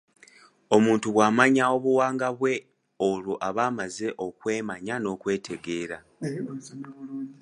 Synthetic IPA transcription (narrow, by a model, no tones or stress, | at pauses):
o̞muːntuβwaːmaɲao̞βuwaːŋɡaβwe̞ | o̞luʔaβaːmaze̞ʔo̞kwe̞ːmaɲano̞ːkwe̞ːtʰe̞ɡe̞ːɾa